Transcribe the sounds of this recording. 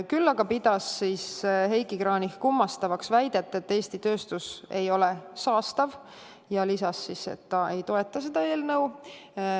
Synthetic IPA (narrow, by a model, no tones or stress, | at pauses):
kylːɑɡɑpid̪̥ɑsːiːsɦe̞jɡikɾɑːnihkumːɑst̪ɑvɑksvæjd̪̥e̞t̪ːˑet̪ːe̞ːsʲt̪it̪ø̞ːst̪use̞jo̞le̞sɑːst̪ɑv | jɑlisɑsːisḛt̪ːɑe̞jt̪o̞e̞t̪ːˑɑse̞d̪̥ɑe̞ːlnɤw